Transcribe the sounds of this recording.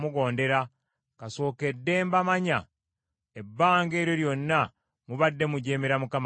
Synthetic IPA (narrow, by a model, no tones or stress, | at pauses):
muɡo̞ːnde̞ɾa | kaso̞ːke̞dːe̞ːmbamaɲa | ebːaːŋɡe̞ːɾjo̞ɾjonːa | muβadːe̞muɟeːmiɾamukam